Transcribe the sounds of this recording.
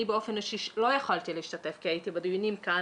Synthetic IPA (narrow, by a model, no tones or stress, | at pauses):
ibeofenoʃiʃlo̞jaχalt̪ileiʃt̪ate̞fkiajit̪ibad̪ijunimka